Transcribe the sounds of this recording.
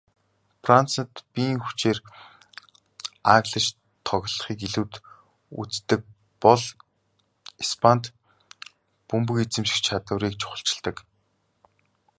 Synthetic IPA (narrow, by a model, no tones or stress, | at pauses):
frant͡sə̆t̪pʲiːŋxu̥t͡ɕeːr | aːɣɮə̆t͡ɕ | t̪ʰɔɣ̆ʲɮ̆χiːkiɮuːt̪ | ṵt͡st̪ɘ̆k̚ | pɔɮ | ispʰant̪ | pumpɵ̆ket͡sɘ̆mʃĭ̥xt͡ɕʰat̪ə̆wɾiːk̚t͡ɕʰʊ̥χə̆ɬt͡ɕɪ̆ɮt̪ə̆k